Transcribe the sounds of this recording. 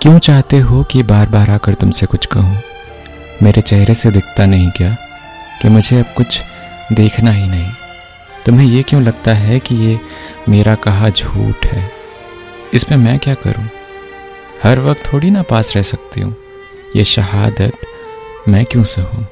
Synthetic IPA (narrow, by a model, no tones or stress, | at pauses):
kjõːt͡ʃaːɦt̪eɦokibaːɾbaːɾaːkəɾt̪ʊmsekʊt͡ʃʰkɐɦũː | meːɾet͡ʃɛɦɾesed̪ɪkʰt̪anɐɦĩkijaː | kimʊd͡ʒʱeɐb̚kʊt͡ʃʰ | d̪eːkʰnaɦinɐɦĩ | t̪ʊmɦẽjekjõlɐɡt̪aɦɛkijeː | meːɾakɐɦad͡ʒʱṵːʈhɛː | ɪsmẽmɛ̃kjaːkɐ̰ɾṵ̃ː | hɐɾʋɐk̚t̪ʰːoːɽinapaːsɾɛɦsɐk̚t̪ḭɦṵ̃ː | jḛːʃɐɦaːd̪ət̪ | mɛ̃ːkjõːseɦũː